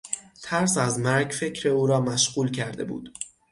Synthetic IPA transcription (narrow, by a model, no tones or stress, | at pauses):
t̪ʰæɾsæzmæɾɡfe̞cʰɾeuːɾɒːmæʃɣ̥uːlcʰæɾd̪e̞bṵːd̪̥